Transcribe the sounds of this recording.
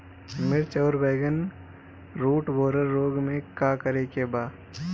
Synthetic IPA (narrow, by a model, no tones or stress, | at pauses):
mɪɾt͡ʃəːɾbeːɡən | ɾuːʈboːɾəɾːoːɡmẽkaːkəɾekebaː